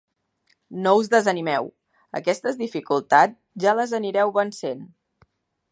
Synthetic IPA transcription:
nouzðəzənimɛw | ə̰kɛst̪əzðifikulˠt̪ad͡z | ʒaləzəniɾɛwβənsen

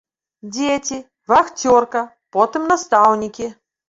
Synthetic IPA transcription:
d͡zʲet͡sʲi | vaxt͡sʲɔrkɐ | pɔt̪ɨmnast̪awnʲikʲi

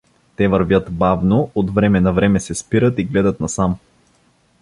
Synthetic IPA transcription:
t̪ɛvɐɾvʲjət̪bavnoot̪vɾɛmɛnɐvɾɛmɛsɛspiɾət̪iɡlɛd̪ət̪nɐsam

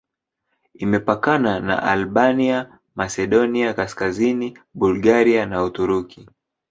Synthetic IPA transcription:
imɛpakanana̰ʔalɓania | masɛɗɔniakaskazini | ɓulɡaɾianautuɾuki

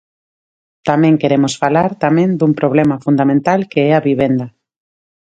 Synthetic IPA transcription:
t̪amẽŋkeɾemosfalaɾt̪amẽnd̪umpɾoβ̞lɛmafund̪amẽnt̪alkeɛaβiβend̪a

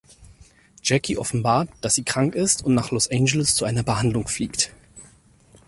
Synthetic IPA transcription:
d͡ʒ̥ɛkʰiʔɔfn̩baːɐtd̥asz̥iːkʁ̥aŋkɪstʊntnaːχlɔsʔɛɪnd͡ʒɛləst͡suʔaɪnɐbəhandlʊŋfliːkt

